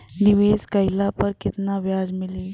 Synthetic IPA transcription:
niʋeskəjlapəɾkit̪naʋjad͡zmili

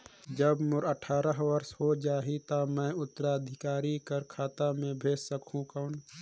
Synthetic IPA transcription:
d͡ʒəbmʊɾəʈʰaːɾəɦʋɐɾsɦod͡ʒaːɦit̪amɛ̃ːʊt̪ːəɾaəd̪ʱɪkaːɾikəɾkʰaːt̪amẽbʱeːssəkʰũkəʊn

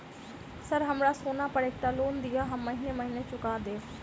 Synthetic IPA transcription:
səɾɦəmɾaːsoːnaːpəɽeːk̚ʈaːloːnd̪ɪjaːɦmːəɦiːneːməɦiːneːt͡ʃʊkaːd̪eː

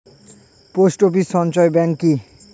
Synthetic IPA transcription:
posʈopiʃɔnt͡ɕɔebɛŋki

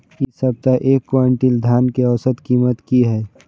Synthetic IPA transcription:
ɪsəb̚t̪aʔeːkːʋaːɳʈild̪ʱjaːnkeəʋsət̪kiːmət̪kiɦɛː

